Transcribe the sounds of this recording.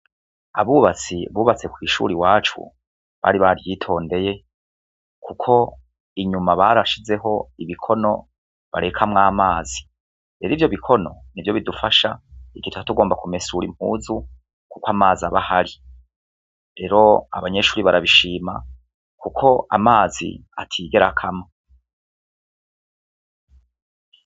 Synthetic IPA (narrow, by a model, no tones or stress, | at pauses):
aβuːβat͡siβuːβat͡se̞kwiːʃṵːɾiwaːt͡ʃṵ | βa̰ːɾiβaɾjiːtʰo̞ːnde̞je̞ | kʰukʰo̞ | iɲumaβaɾaʃize̞ɦo̞iβikʰo̞no̞ | βa̰ɾe̞kʰamŋaːmaːzi | ɾeɾiːvjo̞βikʰo̞no̞nivjo̞βidufaʃaiɡituhatuɡo̞ːmbakume̞suɾim̥hṵːzu | kukwaːmaːziaβahaɾi | ɾe̞ːɾo̞a̰βaɲe̞ʃuːɾiβaɾaβiʃiːma | kukʰo̞ʔa̰maːzḭa̰tʰiːɡe̞ɾakʰama